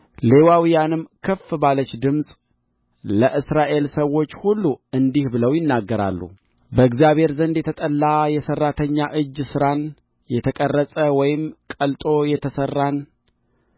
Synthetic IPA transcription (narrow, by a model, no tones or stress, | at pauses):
le̞wawijanɨmkʰəfbalət͡ʃːd̪ɨmsʼ | ləʔɨsɾaʔe̞lsəwːo̞t͡ʃːhulːuɨnd̪ihbɨləwjɪnːaɡːəɾa̰lːṵ | bəɨɡzjaβhe̞ɾzənd̪jɛt̪ʰət̪ʼəlːajɛsərːat̪ʰəɲːaʔɨd͡ʒːsɨɾan | jɛt̪ʰəkʼərːəsʼəwɔjɪmkʼəlt̪ʼo̞jɛt̪ʰəsərːan